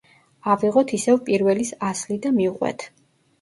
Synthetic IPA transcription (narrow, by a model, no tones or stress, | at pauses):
aviʁɔt̪ʰisɛvpʼiɾvɛlisaslid̪amiuqʼwɛ̰t̪ʰ